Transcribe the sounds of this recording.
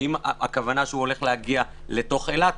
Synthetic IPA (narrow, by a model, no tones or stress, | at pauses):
imakavanaʃeuo̞le̞χlehaɡia | le̞to̞χelat